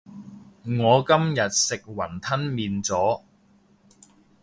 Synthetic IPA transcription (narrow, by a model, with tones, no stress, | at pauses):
ŋɔː˨˧kɐ˥mjɐ˨t̚sɪ˨k̚wɐ˨˩nt̪ʰɐ˥nmiː˨nt͡sɔː˨˥